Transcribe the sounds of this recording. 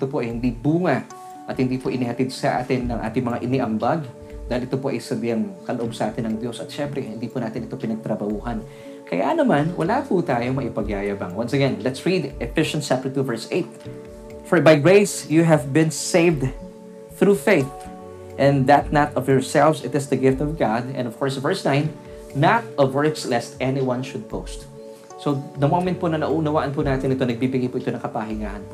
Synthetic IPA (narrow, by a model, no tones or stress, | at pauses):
ʔɛt̪opoʔɐjhɪnd̪ibuːŋɐ | ʔɐt̪̚hɪnd̪iːpoʔɪnɪhɐt̪id̪̚sɐʔa̰ːt̪ɪnːɐŋʔa̰ːt̪ɪŋmɐŋaʔɪnɪʔɐmbaɡ | d̪aːhɪlʔɪt̪opoʔɐ̰jsɐd̪jɐŋkɐloʔo̞bsɐʔaːt̪ɪnːɐŋd̪jo̞sɐt̪̚ʃɛmpɾɛhɪnd̪iːpunaːt̪ɪnʔɪt̪o̞pɪnɐɡ̚t̪ɾɐbɐhuːɦɐn | kɐ̰ja̰nɐmanwɐ̰laput̪aːjoŋmɐʔɪpɐɡjaːjɐbɐŋwɐnsɛɡɛnlɛt̪sɹid̪ʔɛfɪʃɐ̃nst͡ʃːap̚t̪ə˞t̪uvɛɹsʔeɪt̪̚ | fɔɹbajɡɹeɪsjuɦɛvbɪ̃nseɪvd̪ | θɹufeɪθ | ʔɛ̃nd̪ɐt̪̚nɐt̪ɔvjɔɹsɛlvsɪt̪ɪsd̪ɐɡɪft̪ɔvɡad̪ɛ̰̃nɔv̥kʰɔɹsvɛɹsnãɪ̃nː | ɐt̪̚ʔɔvɛɹkslɛst̪ʔɛniwɐ̃nʃʊd̪̚poʊst̪̚ | sod̪ɐmomɛ̃nt̪̚ponɐŋnɐʔuʔnɐwaːʔɐnpunaːt̪ɪnɪt̪o̞nɐɡ̚bibɪɡipuʔɪt̪onɐ̃ŋkɐpaɦɪŋa̰ːhɐnpo